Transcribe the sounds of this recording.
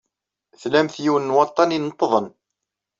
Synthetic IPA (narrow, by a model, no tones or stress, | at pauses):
θlæmθjiwnːwɑt̪ˤːɑninət̪ˤːəðˤən